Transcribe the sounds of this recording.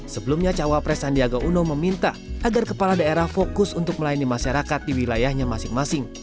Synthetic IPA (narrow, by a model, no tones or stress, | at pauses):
səbəlumɲat͡ʃawapɾɛsandiaɡaʔunoməmint̪a | aɡarkəpaladaeɾahfokʊsunt̪ʊk̚məlajinimaʃaɾakat̪̚diwilajahɲamasɪŋmasɪŋ